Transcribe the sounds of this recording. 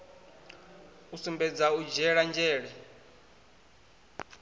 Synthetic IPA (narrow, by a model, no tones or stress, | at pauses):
usumbɛd͡zaud͡ʒɛɺand͡ʒɛːɺɛ